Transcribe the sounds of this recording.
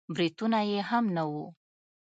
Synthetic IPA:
bɾit̪unajeɦamnawu

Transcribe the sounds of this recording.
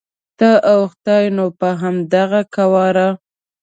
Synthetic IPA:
t̪əʔawxt̪ɑjnopəɦamd̪aɣakawɑɾa

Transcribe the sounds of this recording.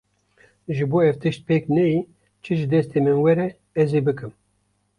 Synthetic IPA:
ʒɨboːɛvt̪ɨʃt̪̚peːknɛji | t͡ʃʰɨʒɨd̪ɛst̪eːmɨnwɛɾɛ | ɛzeːbɨkɨm

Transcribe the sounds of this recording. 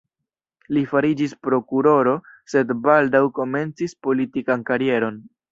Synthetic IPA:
lifaɾid͡ʒispɾo̞kuɾo̞ɾo̞se̞dbaldawko̞me̞nt͡sispo̞litikankaɾie̞ɾo̞n

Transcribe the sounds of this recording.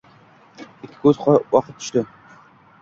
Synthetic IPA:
ɪkʲʰːɪ̥kʰʲɵzqʰwɑqʰɨt̪̚t̪ːʰʊ̥ʃt̪ɪ

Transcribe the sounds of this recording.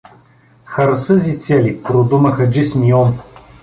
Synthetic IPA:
xɐɾsəzit̪sɛlipɾod̪uməxəd͡ʒismiɔn

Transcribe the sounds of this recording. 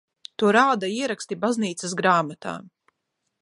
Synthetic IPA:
t̪uɔɾaːd̪aiɛɾakst̪ibazniːt̪sɨsɡɾaːmat̪a̰ː

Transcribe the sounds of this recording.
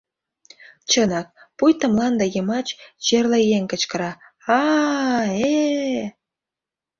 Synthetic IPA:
t͡ɕənɑk̚pujt̪ə̆mlɑnd̪ejəmɑt͡ɕt͡ɕerlejeŋkə̆t͡ɕkə̆ɾɑ | ɑ | e

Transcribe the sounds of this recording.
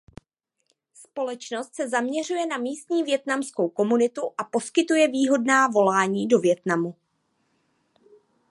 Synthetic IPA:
spo̞lɛt͡ʃno̞st̪sɛzamɲɛr̝ujɛnamiːst̪ɲiːvjɛt̪namsko̞wko̞munɪt̪uʔapo̞skɪt̪ujɛviːɦo̞dnaːvo̞laːɲiːdo̞vjɛt̪namu

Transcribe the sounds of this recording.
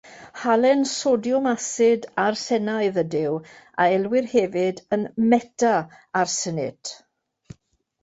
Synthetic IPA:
halɛnsodjɔmasɪdarsɛnaɨðədɪwa̰ɛlwɪrhɛvɪdənmɛtʰaarsənɪt

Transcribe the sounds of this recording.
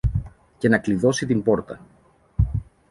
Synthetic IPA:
ce̞nɐkliðo̞sit̪imbo̞ɾt̪ɐ

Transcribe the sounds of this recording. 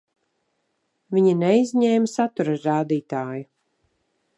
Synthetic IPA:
viɲinɛjizʲɲɛːmsat̪uɾaɾaːd̪iːt̪aːju

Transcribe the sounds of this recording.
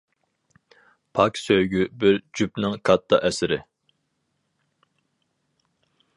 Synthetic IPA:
pʰɑkʲsøjɡʲybɪɾd͡ʒypnɪŋkʰɑt̪ʰːɑ̰ʔɛsɪɾɪ

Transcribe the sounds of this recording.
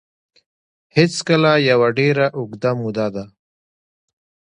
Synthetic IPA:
hɪt͡skəlajawaɖeɾaʔʊɡd̪amud̪ad̪a

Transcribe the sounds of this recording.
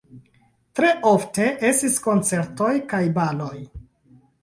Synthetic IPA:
tɾe̞ʔo̞fte̞ʔe̞stisko̞nt͡se̞ɾto̞jkajbalo̞j

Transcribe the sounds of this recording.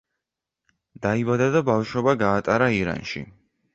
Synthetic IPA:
d̪̥aibad̪ad̪abafʃɔbaɡaːt̪ʼaɾaiɾa̰nʃḭ

